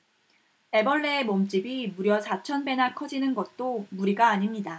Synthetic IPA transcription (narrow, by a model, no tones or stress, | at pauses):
e̞bʌɭːeemʌmt͡ɕ͈ibimuɾjʌsʰat͡ɕʰʌnbe̞nakʰʌd͡ʑinɯnɡʌt̚t͈omuɾiɡaːɲimɲida